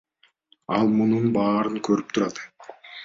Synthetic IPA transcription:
ɑlˠmununbɑːɾɯŋkʰøɾyp̚t̪ʰuɾɑt̪

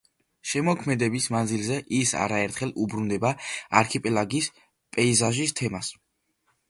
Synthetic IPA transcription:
ʃɛmɔkʰmɛd̪ɛbismand̪zilˠzɛʔisa̰ɾaɛɾt̪ʰχɛlˠubɾund̪ɛbaa̰ɾkʰipʼɛlaɡis | pʼɛizaʒist̪ʰɛmas

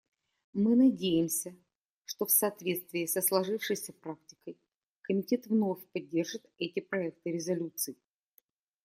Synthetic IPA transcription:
mɨnɐdʲejɪmsʲə | ʂt̪ofsɐːt̪vʲe̞t̪st̪vʲɪːsəslˠɐʐɨfʂɨjsʲəpɾak̚tʲɪ̥kəj | kəmʲɪtʲe̞t̪vno̞fʲpɐdʲːe̞rʐɨt̪ɛtʲɪpɾɐɛk̚t̪ɨɾʲɪzɐlʲut̪sɨɪ

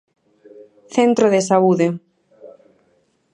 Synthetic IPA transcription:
θent̪ɾoðesauðe

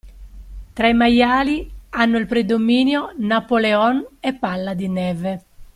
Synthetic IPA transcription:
t̪ɾaimajaːlianːʊilpɾed̪omiːnjonapolɛɔnɛpːalːad̪inɛvɛ

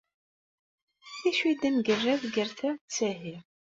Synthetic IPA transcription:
θiʃwid̪æmɡərːæðɡəɾθæt͡sːæɦi

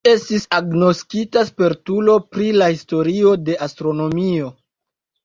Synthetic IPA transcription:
e̞stisaɡno̞skitaspe̞ɾtulo̞pɾilahisto̞ɾio̞de̞ʔastɾo̞no̞mio̞

